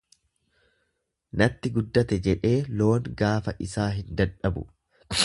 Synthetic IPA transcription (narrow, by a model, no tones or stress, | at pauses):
nɐt̪ːɪɡʊd̪ːɐt̪ɛd͡ʒɛᶑe̞ːlo̞ːŋɡaːfɐʔɪsaːɦɪnd̪ɐᶑɐbʊ̰